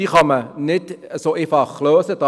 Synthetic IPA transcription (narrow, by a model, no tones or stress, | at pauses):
iːχɑmənɪtəsoʔefɑχlœːsəd̥ɑ